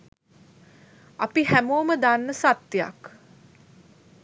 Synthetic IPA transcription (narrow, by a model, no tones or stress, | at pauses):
apiɦæmoːməd̪anːəsat̪ːja̰k